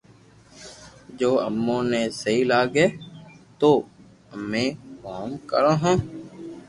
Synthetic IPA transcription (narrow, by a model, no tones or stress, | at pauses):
d͡ʒoːə̰mːõːneːsəɦiːlaːɡeːt̪oː | əmẽːkoːmkəɾãːɦõː